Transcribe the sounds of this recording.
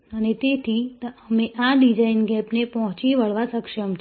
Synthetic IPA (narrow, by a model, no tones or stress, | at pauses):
ənet̪et̪ʰiəmeʔaɖid͡ʒainɡɛpnepəɦɔ̃t͡ʃiʋəɭʋasəkʃəmt͡ʃʰ